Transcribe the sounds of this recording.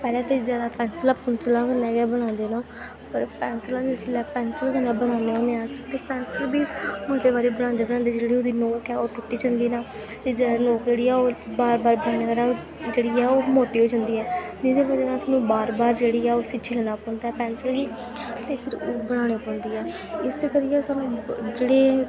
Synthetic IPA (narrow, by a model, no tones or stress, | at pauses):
pɛːlɛ̃ːt̪eːzjaːd̪aːpɛːnsəlaːpʊnsəlãːkənɛːɡɛːbəɽ̃ãːnd̪eːnõː | pəɾpɛːnsəlãːnːsɪlɛːpɛːnsəlkənːaːbənãːneːɦoːneaːsət̪eːpɛːnsəlbiːməd̪eːbaːɾiːbəɽ̃ãːnd̪eːbəɽ̃ãːnd̪eːd͡ʒeːɽiːoːd̪iːnoːkɛːoːʈʊʈːiːt͡ʃə̃nd̪iːnaː | t̪eːzaːd̪noːkd͡ʒeːɽiːɛːoːbaːɾbaːɾbənaːɽ̃eːkəɾɛː | d͡ʒeːɽiːɛːoːmoːʈːiːɦoːd͡ʒãːnd̪iːɛːd͡ʒɪd̪eːbəd͡ʒkãːsaːnũːbaːɾbaːɾd͡ʒeːɽiːɛːoːsɪt͡ʃʰɪlnaːpɔ̃ːnd̪aːɛːpɛːnsəlɡiː | t̪eːpʰɪɾoːbəɽaːɽ̃eːpɔ̃ːnd̪iːɛː | ɪskəɾɪjɛːsaːnũːd͡ʒeːɽeː